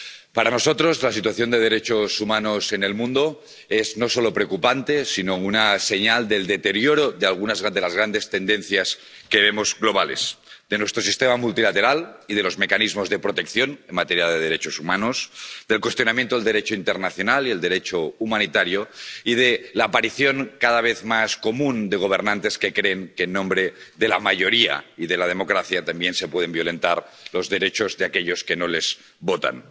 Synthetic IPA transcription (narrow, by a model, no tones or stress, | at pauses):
paɾano̞sot̪ɾozlasit̪waθjo̞nd̪eð̞eɾet͡ʃosumanosenelmũnd̪o | ezno̞so̞lopɾeokupant̪esinounase̞ɲald̪e̞ld̪e̞t̪eɾjoɾoðealɣ̞unazɣd̪elazɣ̞ɾand̪e̞st̪end̪enθjas | keβ̞emozɣlo̞β̞ale̞zd̪̥e̞nwe̞st̪ɾosist̪emamult̪ilat̪e̞ɾalið̞elo̞zme̞kanizmozðe̞pɾot̪e̞kθjo̞nenmat̪eɾjaðeðeɾe̞t͡ʃosumanosd̪elkwest̪jo̞namjent̪oeld̪eɾet͡ʃoint̪eɾnaθjo̞nalield̪eɾet͡ʃoumanit̪aɾjoið̞elaːpaɾiθjoŋkaðaβ̞eθmasko̞mũnd̪eɣ̞oβ̞eɾnãnt̪e̞skekɾeːŋkeːnːõmbɾeðela̰maʎo̞ɾia̰iðelað̞emo̞kɾaθjat̪ambjensepweð̞embjole̞nt̪aɾ | lozðe̞ɾet͡ʃozðeakeʎoskenole̞z̥ | βot̪a̰n